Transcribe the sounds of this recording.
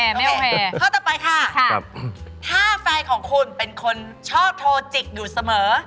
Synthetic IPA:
ɛ˧˥˨o˧ɛː˧kʰaː˥˩t̪ɔː˨˩pa˧jkʰa˥˩kʰt̪ʰaː˥˩fɛː˧jkʰɔː˩˦ŋkʰu˧npe˧nkʰo˧n | t͡ɕʰɔː˥˩p̚t̪ʰoː˧t͡ɕi˨˩k̚juː˨˩sa˧mɤː˩˦

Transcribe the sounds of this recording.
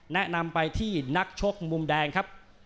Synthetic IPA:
nɛ˦˥ʔna˧mpa˧jt̪ʰiː˥˩na˦˥k̚t͡ɕʰo˦˥k̚mu˧mdɛː˧ŋkʰa˦˥p̚

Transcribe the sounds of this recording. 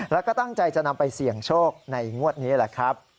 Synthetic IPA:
lɛː˦˥kɔː˥˩t̪a˥˩ŋt͡ɕa˧jt͡ɕa˨˩ʔna˧mpa˧jsi˨˩˦əŋt͡ɕʰoː˥˩k̚na˧jŋu˥˩ət̪̚niː˦˥la˨˩kʰɾa˦˥p̚

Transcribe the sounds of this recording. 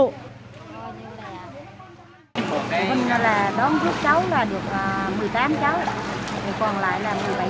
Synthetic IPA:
ɲɨ˧laː˨˩˨ | mə˧ŋ˧laː˨˩ɗɔ˨˦mzɨ˦˥əp̚t͡ɕa˨˦wlaː˨˩ɗɨ˨˩ək̚ʔəː˨˩mɨ˨˩əjt̪aː˨˦mt͡ɕa˨˦wɗt̪ʰe˨˧˩kɔ˨˩nla̰ː˧˨jlaː˨˩mɨ˨˩əjɓa˨˧˨

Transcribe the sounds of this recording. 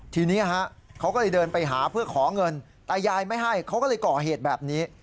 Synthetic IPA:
t̪ʰiː˧niː˦˥˧ɦa˦˥ʔkʰa˦˥wkɔː˥˩lɤ˧jdɤː˧npa˧jɦaː˩˦pʰɯ˥˩ɐkʰɔː˩˦ŋɤ˧n | t̪ɛː˨˩jaː˧jma˥˩jɦa˥˩jkʰa˦˥wkɔː˥˩lɤː˧jkɔː˨˩ɦeː˨˩t̪̚bɛː˨˩p̚niː˦˥

